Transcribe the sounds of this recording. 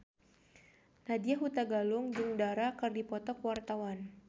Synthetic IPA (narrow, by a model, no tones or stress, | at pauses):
nadiaɦut̪aɡalʊŋd͡ʒuŋdaɾakɨrdipɔt̪ɔkwart̪awan